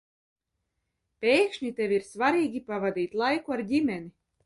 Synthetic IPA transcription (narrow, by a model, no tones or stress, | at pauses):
pʲeːkʃɲit̪ʲevʲiɾsvaɾiːɡʲipavad̪iːt̪lˠajkuaɾdʲimʲɛni